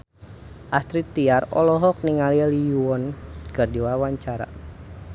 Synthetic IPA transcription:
ʔast̪ɾit̪ːiarɔlɔɦɔk̚niŋalialijuɔnkərdiwawaɲt͡ʃaɾa̰

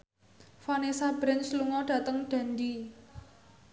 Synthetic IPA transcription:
fanesabɾɛnsluŋɔɖ̥ä̤t̪əŋɖ̥ä̤ndi

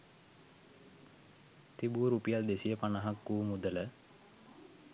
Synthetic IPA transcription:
t̪ibuɾuːpijald̪esijəpanaɦakːuːmud̪ələ

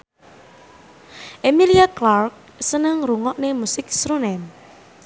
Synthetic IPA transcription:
ʔemiliaklark̚ | sənəŋɾuŋɔʔnemusɪk̚sɾunɛm

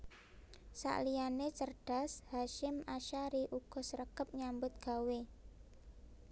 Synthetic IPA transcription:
sa̰ʔlijanet͡ʃərɖ̥a̤shaʃɪmaʃaɾiʔuɡ̥ɔ̤səɾəkəp̚ɲambʊt̪̚ɡ̥a̤we

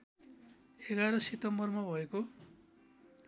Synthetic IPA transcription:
eɡaɾʌsit̪ʌmbʌrmabʱʌeko

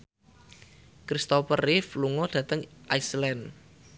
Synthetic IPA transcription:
kɾist̪ɔpərɪfluŋɔd̥ä̤t̪əŋʔaislɛn

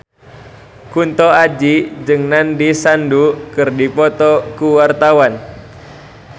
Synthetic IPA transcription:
kunt̪ɔad͡ʒid͡ʒɨŋnandisandukɨrdipɔt̪ɔkuwart̪awan

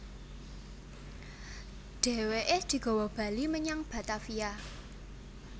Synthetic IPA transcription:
ɖ̥e̤weʔed̪̥i̤ɡ̥ɔ̤wɔb̥ä̤liməɲaŋb̥a̤t̪afija

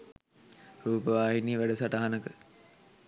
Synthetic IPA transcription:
ɾuːpəʋaːɦiniːʋæɖəsaʈaɦanəkə

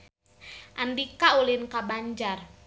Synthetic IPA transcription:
ʔandikaulinkabaɲd͡ʒar

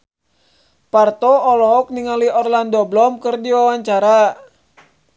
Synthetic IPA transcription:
part̪ɔɔlɔɔk̚niŋaliɔrlandɔblɔmkɨrdiwawaɲt͡ʃaɾa

